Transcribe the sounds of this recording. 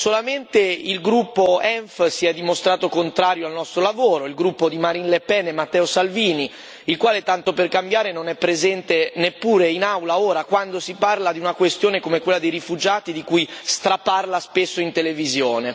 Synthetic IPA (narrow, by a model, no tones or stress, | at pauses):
solament̪eilɡɾupːoɛɱfsiɛd̪ːimost̪ɾaːt̪okont̪ɾaːɾjoalnɔst̪ɾolavoːɾoilɡɾupːod̪imaɾinlepɛnemat̪ːɛːosalviːni | ilkwaːlet̪ant̪operkambjaːɾenonɛpːɾezɛnt̪enepːuːɾeinawlaoːɾakwand̪osiparlad̪iunakwest̪joːnekomekwelːad̪ejrifud͡ʒaːt̪id̪ikujst̪ɾaparlaspesːoint̪elevizjoːne